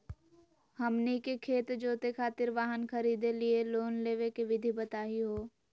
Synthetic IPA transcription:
hɐmnikekʰeːt̪d͡ʒoːt̪ekʰaːt̪ɪɾʋaːɦənkɐɾiːd̪elieloːnleːʋekeʋɪd̪ʱibɐt̪aːɦiɦoː

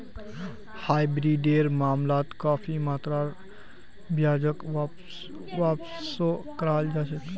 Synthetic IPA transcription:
haːjbɾiɖeːɾmaːmlaːt̪kaːpʰimaːt̪ɾaɾ | bjaːd͡ʒəkʋap | ʋaːp | sokəɾaːld͡ʒaːʃək

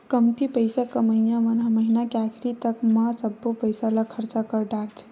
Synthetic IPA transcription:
kəmt̪ipəjsakəməɦinjaʋənɦaməɦinakakʰɾit̪əkmasəbːopəjsalakʰəɾt͡ʃakəɾɖaɾt͡ʃʰe̥

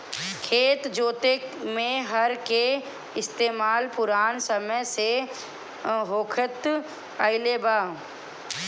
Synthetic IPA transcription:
kʰeːt̪d͡ʒoːt̪emẽɦɐɾke | ɪst̪eːmaːlpʊɾaːnsəməjse | ɦoːkʰət̪ | aɪlebaː

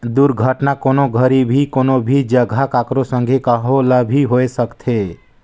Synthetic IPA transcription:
d̪uɾɡʱəʈnakoːnoɡʱəɾibʱikoːnobʱid͡ʒəɡʱakaːkɾosə̃ŋɡʱekəɦolabʱiɦoesəkt̪ʰe

